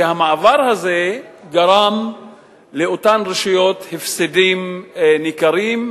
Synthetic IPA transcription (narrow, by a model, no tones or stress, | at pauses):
ehamaːvaʁhaze̞ɡaʁam | leotanʁeʃujo̞t̪hefsedimnikaɾim